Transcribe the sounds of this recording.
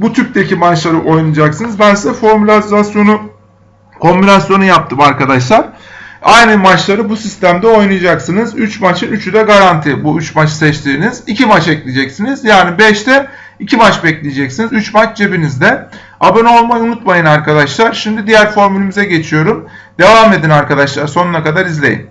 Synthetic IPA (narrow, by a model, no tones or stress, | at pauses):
but̪ʰyɾc̚d̪ecʰimat͡ʃlˠaɾɯʔo̞jnɯd͡ʒaksɯnɯzbænsd̪ɛfo̞ɾmylʲazasjo̞nu | kʰo̞mbinasjo̞nujap̚t̪ʰɯmaɾkad̪aʃlˠaɾajnɯmat͡ʃlˠaɾɯbusist̪ʰæmd̪ɛo̞jnujad͡ʒaksɯnɯzyt͡ʃmat͡ʃʰɯnyt͡ʃʰyd̪ɛɡaɾant̪ʰibuyt͡ʃmat͡ʃsɛt͡ʃt̪ʰiːnizicimat͡ʃɛclʲid͡ʒɛcsinizjaːnibɛʃt̪ʰɛ | icʰimat͡ʃbɛclʲijed͡ʒɛcsinizyt͡ʃmat͡ʃd͡ʒebinizd̪ɛ | abeno̞lˠmajunut̪majɯnaɾkad̪aʃlˠaɾʃimd̪id̪ijæɾfo̞ɾmylʲemizɛɟe̞t͡ʃʰijo̞ɾum | d̪̥e̞vaːme̞d̪inaɾkad̪aʃlˠaɾso̞nunakad̪aɾizlʲe̞jḭn